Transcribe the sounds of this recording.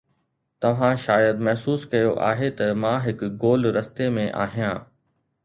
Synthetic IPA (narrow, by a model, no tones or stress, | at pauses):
t̪ɐʋ̤ãʃaːjəd̪mɐɦsuːskɐjoʔa̰ːɦet̪ɐmãːɦɪkɡoːlɾɐst̪emẽʔa̰ːɦijãː